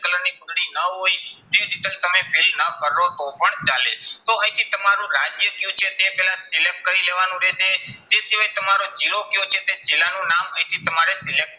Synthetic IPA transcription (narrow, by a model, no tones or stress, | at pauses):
kələɾnipəɡɽinəɦojt̪eɾiʈ̪əlt̪əmefilnəkəɾlot̪opəɳt͡ʃalet̪oə̃ĩt̪ʰit̪əmaɾũɾad͡ʒjəkjũt͡ʃʰet̪epɛlãsɪlek̚ʈ̚kəɾileʋanũɾeʃet̪esiʋajt̪əmaɾod͡ʒilokjõt͡ʃʰet̪ed͡ʒelanũnamə̃ĩt̪ʰit̪əmaɾesɪlek̚ʈ